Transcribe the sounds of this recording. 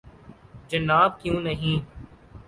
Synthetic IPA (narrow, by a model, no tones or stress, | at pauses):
d͡ʒənaːb̚kjũːnəɦĩː